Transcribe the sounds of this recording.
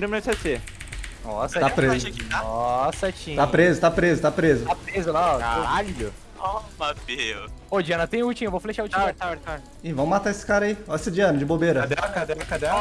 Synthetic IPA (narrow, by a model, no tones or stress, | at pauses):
ɾũmnɛsese | nɔsɐapɾezt͡ʃĩt̪aɔsɐt͡ʃĩt̪apɾezʊt̪apɾezʊt̪apɾezʊt̪apɾezʊlaɔka̰ɾaʎʊ | ɔmabeod͡ʒiɐ̃nɐt̪ẽj̃ut͡ʃĩevofleʃaut͡ʃaɾt̪aɛɾt̪a | ɪvɐ̃m̃mat̪aesɪ̥kaɾɐaiɔɐsɪd͡ʒiɐ̃nɐd͡ʒɪbobeɾɐd̪ɛkad̪ɛɐkad̪ɛ